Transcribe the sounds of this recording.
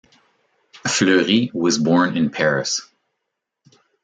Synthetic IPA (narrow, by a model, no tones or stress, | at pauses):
flɜɹiwʌzbɔɹnɪ̃npʰɛɹɨs